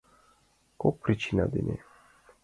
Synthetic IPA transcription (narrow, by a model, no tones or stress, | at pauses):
kɔpʰɾit͡ʃʰina̰d̪ḭnɛ̰